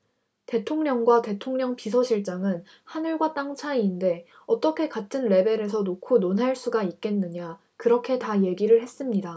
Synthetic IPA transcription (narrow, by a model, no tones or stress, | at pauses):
te̞tʰoŋɲʌŋɡwate̞tʰoŋɲʌŋpisʰʌɕʰiɭt͡ɕ͈aŋɯn | hanɯɭɡwat͈aŋt͡ɕʰaiːnde̞ | ʌt͈ʌkʰe̞katʰɯnɾe̞be̞ɾe̞sʰʌnokʰunonɦaɭs͈uɡaik̚k͈e̞nːɯɲa | kɯɾʌkʰe̞taje̞ɡiɾɯɭhe̞s͈ɯmɲida